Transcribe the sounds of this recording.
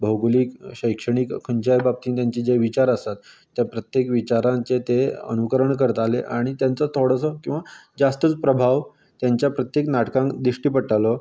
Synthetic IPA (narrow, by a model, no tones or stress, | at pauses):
bʱəwɡliːkɕəjkʂəɽ̃iːkkʰəɲd͡ʑajbab̚t̪iːnt̪jaɲt͡ɕiːd͡ʑeʋit͡ɕaɾəsat̪ː | japɾət̪jekʋit͡ɕaɾãnt͡set̪eə̰nukəɾəɳkəɾət̪aleʔaɽ̃it̪jant͡sət̪ʰoɽəsɔkĩw̃ʋad͡zast̪ət͡spɾəbʱaʋ | t̪jaɲt͡ɕjapɾət̪jeknaʈkãŋkd̪ɾiʂʈiːpəʈʰalɔ